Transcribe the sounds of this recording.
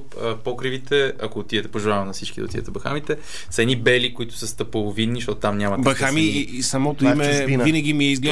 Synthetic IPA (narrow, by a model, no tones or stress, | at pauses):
əpɔkɾivit̪ʰɛɐkoːt̪iðɛt̪ɛpoʒɛlˠavɐmnɐfsit͡ʃkid̪ɐ̰ot̪ḭjə̰t̪ɛbɐxa̰mit̪ɛ | səɛd̪nibɛlikoit̪ʊ̥səst̪ɐpolˠovinːiʃt̪ɔt̪ʊ̥t̪amnʲamɐt̪bɐxami | sɐmɔt̪oimɛvinɐɡ̟ʲimiɛizɡlɛ